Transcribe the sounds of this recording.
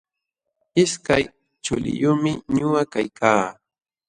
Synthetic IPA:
ɪskaj | t͡ʃʊlɪ̰jʊmɪɲʊwakajkʰaː

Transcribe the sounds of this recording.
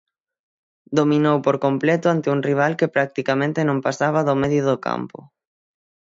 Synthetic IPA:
d̪omĩnowpoɾkomplɛt̪ʊant̪euŋriβ̞alkepɾak̚t̪ikamẽnt̪enõmpasaβ̞aðomeðjoðoka̰mpʊ̰

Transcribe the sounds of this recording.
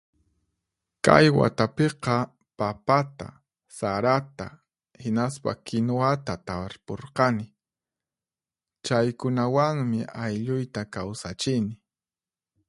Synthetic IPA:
ka̰jwa̰t̪apeqɑ | papat̪a̰ | saɾat̪a̰ | hɪnaspa̰kɪnoat̪at̪aɾpoɾqɑnɪ | t͡ʃajkʊnawaŋmɪʔajʎʊjt̪akawsat͡ʃɪnɪ

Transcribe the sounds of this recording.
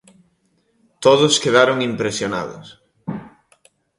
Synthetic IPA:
t̪oðʊskeðaɾʊŋimpɾesjona̰ðʊ̰s

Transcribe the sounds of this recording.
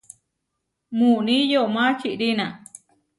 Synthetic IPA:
mũnĩjomãt͡ʃiʔɾinã

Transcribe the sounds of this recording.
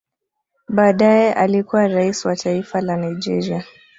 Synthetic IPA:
ɓaːɗajɛʔalikuwaɾaisiwatʰaifalanajd͡ʒɛ̰ɾia

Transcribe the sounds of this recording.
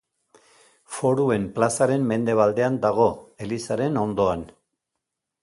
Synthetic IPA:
fo̞ɾue̞mplasaɾe̞mme̞nd̪e̞β̞ald̪e̞and̪aɣ̞o̞e̞lisaɾe̞no̞nd̪o̞an

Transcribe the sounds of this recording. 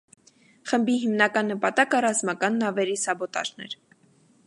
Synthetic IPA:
χəmbiɦimnɑkɑnːəpɑt̪ɑkərɑzmɑkɑnːɑvɛɾisɑbɔt̪ɑ̰ʒnɛ̰ɾ

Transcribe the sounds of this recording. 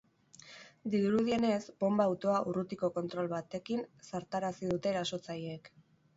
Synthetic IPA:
d̪iuɾuð̞ie̞ne̞sbo̞mbaːwt̪o̞aʔurut̪iko̞ko̞nt̪ɾo̞lβat̪e̞kinsaɾt̪aɾasiðut̪e̞ːɾaso̞t͡sajeek

